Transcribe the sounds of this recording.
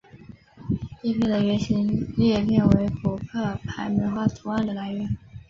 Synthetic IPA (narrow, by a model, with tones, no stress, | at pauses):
ɛ˥˧pʰi˥˩də˩ɥɛ˧˥ɕi˧˥ŋljɛ˥˧lɛ˥˩nwe˧˥ɪpʰu˨˩kʰɤ˥˩pʰa˧˥ɪmə˧˥nxwa˥˩t̪ʰu˧˥a˥˩nd̪ə˩la˧˥ɪɥɛ˧˥n